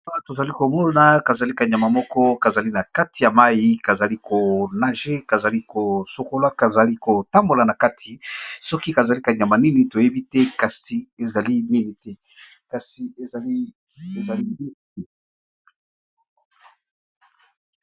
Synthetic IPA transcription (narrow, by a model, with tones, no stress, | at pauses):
a˦to˨za˨li˦ko˨mɔ˦na˨ka˨za˨li˦ka˨ɲa˨ma˨mɔ˦kɔ˦ka˨za˨li˦na˨ka˦ti˨ja˨ma˦ji˦ka˨za˨li˦ko˨na˨ʒe˦ka˨za˨li˦ko˨so˨ko˦la˦ka˨za˨li˦ko˨ta˦mbo˨la˨na˨ka˦tʰi˨sɔ˦ki˦ka˨za˨li˦ka˨ɲa˨ma˨ni˦ni˨to˨je˦bi˦tɛ˦ka˨si˨e˨za˨li˦ni˦ni˨tɛ˦ | ka˨si˨e˨za˨li˦ | e˨za˨li˦i˦˨